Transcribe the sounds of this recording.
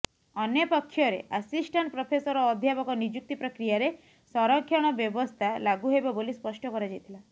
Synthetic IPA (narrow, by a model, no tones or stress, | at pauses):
ɔnjɔpɔkʰːjɔɾḛʔasisʈaɳʈpɾɔpʰesɔɾɔːd̪ʱjapɔkɔnid͡ʒuk̚t̪ipɾɔkɾijaɾe | sɔɾɔkʰːjɔɽ̃ɔbjɔbɔst̪ʰalaɡuɦebɔbolispɔsʈɔkɔɾad͡ʒajt̪ʰila